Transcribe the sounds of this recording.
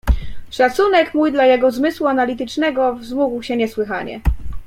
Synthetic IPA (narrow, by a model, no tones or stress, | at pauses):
ʂat̪sunɛkmujd̪lajɛɡɔzmɘswuanalʲit̪ɘt͡ʂnɛɡɔvzmuɡwɕɛɲɛswɘxaɲɛ̰